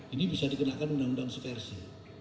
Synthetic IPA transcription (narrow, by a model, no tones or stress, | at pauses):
inibisadikənaʔkanundaŋundaŋsufɛrsi